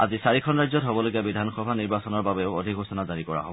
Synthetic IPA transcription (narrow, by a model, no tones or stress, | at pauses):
a̰zisaɹikʰɔnɹajzɔtɦobɔloɡijabidʱanxɔbʱaniɹbasɔnɔɹbabeʊodʱikɦosɔnazaɹikɔɹa̰ɦobɔɔ